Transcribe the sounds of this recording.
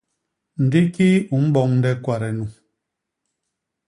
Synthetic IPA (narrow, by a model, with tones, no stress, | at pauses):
n̩˨di˦ki˦u˨˦m̩˦bɔ˦˨ŋn̩˦dɛ˦kwa˨ɾɛ˨nu˨